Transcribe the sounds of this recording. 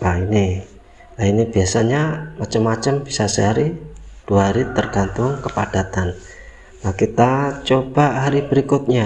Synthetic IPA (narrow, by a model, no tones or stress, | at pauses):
ʔaini | lainib̥iasaɲamat͡ʃəmːat͡ʃəmb̥i̥sasəɦaɾid̥uaɦaɾit̪ərɡ̥ant̪ʊŋkəpad̥at̪an | lakit̪at͡ʃob̥aʔɦaɾibəɾikʊt̪̚ɲa